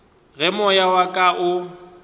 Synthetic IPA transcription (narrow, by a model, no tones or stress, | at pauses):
ɣɛmɔjawakʼaʔʊ